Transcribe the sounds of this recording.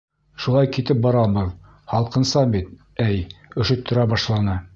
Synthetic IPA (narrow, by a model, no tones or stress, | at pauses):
ʃulˠɑjkit̪ɘp̚bɑɾɑbɤð | hɑlˠqɤ̆nsɑbit̪̚ | æjɵ̆ʃɵ̆t̪ʰːŏɾæbɑʃlˠɑnɤ